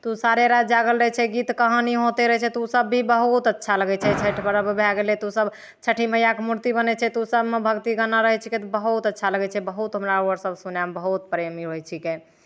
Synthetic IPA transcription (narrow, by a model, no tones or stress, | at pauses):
t̪usaɾeɾad͡ʒaɡəlɾəɦɛt͡ʃʰɛɡit̪kəɦə̃niɦot̪eɾəɦɛt͡ʃʰɛt̪usəbːʱibəɦut̪ətːʃʰaləɡɛt͡ʃʰɛt͡ʃʰəʈʰbəɾəbebʱaɡelɛt̪usəb | t͡ʃʰəʈʰiməjakemuɾt̪ibənɛt͡ʃʰɛt̪usəbmebʱəɡt̪iɡənaɾəɦɛt͡ʃʰiket̪ɔbəɦut̪ətːʃʰaləɡɛt͡ʃʰɛbəɦut̪ɦəmɾauəɾsəbsunambəɦut̪̚pɾemiɦojt͡ʃʰike